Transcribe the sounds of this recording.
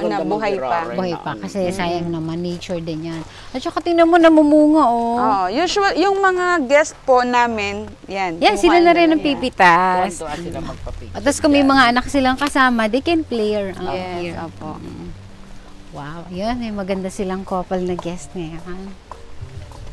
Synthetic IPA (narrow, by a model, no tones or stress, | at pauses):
nbuɦajabuhajpɐkɐsɛsaːjɐŋnɐmɐneːt͡ʃʊɹd̪ɛnjɐn | ʔɐt͡ʃɐkɐt̪ɪnɐmonɐmʊmuːŋoʔooʔjuʃuljʊŋmɐŋaɡɛst̪̚ponaːmɪn | janjansɪlanɐɾɪnːɐŋpipɪt̪as̚pɐʔɐt̪ːɐskɐmɐjmɐŋaʔɐnak̚sɪlaŋkɐsaːmɐd̪ɛjkɛnplɛjɛɹoio̰ːpo̰ʔ̩ | wawjonɐjmɐɡɐnd̪asɪlaŋkoːpɐlnɐɡɛst̪̚nɛʔan